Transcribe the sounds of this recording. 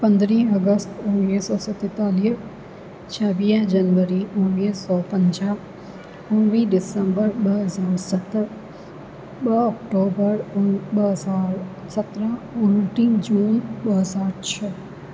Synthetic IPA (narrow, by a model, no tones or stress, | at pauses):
pɐ̃nd̪ɾĩːəɡəst̪ʊnːiːsɔːsɐt̪ːɛt̪aːliːs | t͡ʃʰaːʋiːd͡ʒɐnʋəɾiʊnːiːsɔːpə̃ɲd͡ʒa | ʊnʋĩɖɪsəmbəɾbəɦəzaːɾsɐt̪əɾ | bəɔkʈoːbəɾbəɦzaːɾ | sɐt̪ɾə̃ʊnʈĩːd͡ʒuːnbəɦəzaːɾt͡ʃʰə